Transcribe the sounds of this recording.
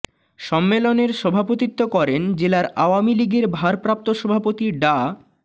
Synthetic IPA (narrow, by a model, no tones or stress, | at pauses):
ʃɔmːeloneɾʃɔbʱapot̪it̪ːokɔɾend͡ʑelaɾaoamiliɡeɾbʱaɾpɾap̚t̪oʃɔbʱapot̪iɖa